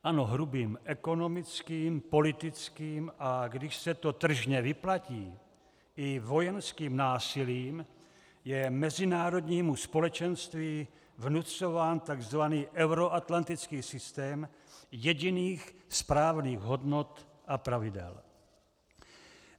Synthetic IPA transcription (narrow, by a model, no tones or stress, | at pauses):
ʔano̞ɦɾubiːmʔɛko̞no̞mɪt͡skiːmpo̞lɪt̪ɪt͡skiːmʔaɡdɪʃsɛt̪o̞t̪r̩ʒɲɛvɪplaciː | ɪvo̞jɛnskiːmnaːsɪliːm | jɛmɛzɪnaːɾo̞dɲiːmuspo̞lɛt͡ʃɛnst̪viː | vnut͡so̞vaːnt̪aɡzvaniːʔɛwɾoʔat̪lant̪ɪt͡skiːsɪst̪ɛːm | jɛɟɪniːxspɾaːvniːɣɦo̞dno̞t̪ | ʔapɾavɪdɛ̰l